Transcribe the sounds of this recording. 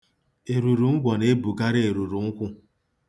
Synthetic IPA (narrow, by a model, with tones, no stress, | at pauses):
e˨ɾu˨ɾu˨ŋ̩˦ɡʷɔ˨ne˦bu˨ɡa˦ɾɪ˦e˨ɾu˨ɾu˨ŋ̩˦kʷʊ˦